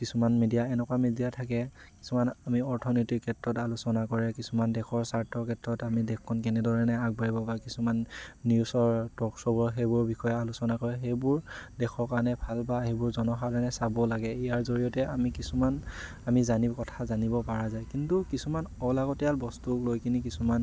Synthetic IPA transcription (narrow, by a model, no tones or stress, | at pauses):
kisumanmedijaɛnɛkwamedijatʰak̬ɛki̥sumanamiɔɹtʰɔnɔjtikʰːɛtɹɔtalusɔnakɔɹɛkisumandɛxʰɔɹsaɹtɔkʰɛtɹɔtamidɛkʰːɔnk̬ɛnɛdɔɹɛnɛaɡ̚baɹibɔbakisumanːjusɔɹtɔksɔbɔɹɦejbʊɹbixɔjɛalusɔnakɔɹɛxejbʊɹdɛxʰɔɹkaɹɔnɛbʱalbahejbʊɹzɔnɔxaɛnɛsabɔlaɡɛijaɹzoɹijɔtɛamikisuman | amizanikɔtʰazanibɔpaɹazajkintukisumanɔlaɡɔtɛjalbɔstuklojkinik̬isuman